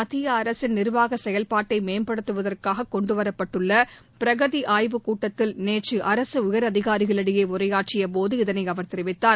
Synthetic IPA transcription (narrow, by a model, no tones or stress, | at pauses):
ɐt̪ːɪjɐːɾɐsɪnnɪɾʋaːɣɐsɛjɐlpaːʈːɐɪmeːmbɐɽɯt̪ːɯʋɐðɐrkaːɣɐkːɔɳɖɯʋɐɾɐpːɐʈːɯɭːɐ | pɪɾɐɣɐðiʔaːjʋɯkuːʈːɐt̪ːɪlneːʈt͡ʃɯʔɐɾɐsɯʊjɐɾɐðɪɣaːɾɪɣɐɭɐɽɪjeːʊrɐjaːʈ̚t͡ʃɪjɐpoːðɯɪðɐnɐɪɐʋɐɾt̪ɪɾɪʋɪt̪ːaː